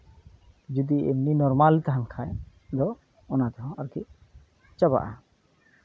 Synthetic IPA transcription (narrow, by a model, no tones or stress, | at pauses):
d͡ʒud̪iḛmninɔɾmalt̪aɦankʰaj | d̪ɔ | ɔnat̪ɛɦɔ̃aɾkḭ | t͡ʃəba̰ʔa